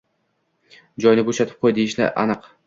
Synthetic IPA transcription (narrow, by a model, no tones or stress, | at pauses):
d͡ʒɒjnɪboʃat̪ʰɪ̥p̚qʰojd̪ejɪʃlɪ̰ʔa̰nɨq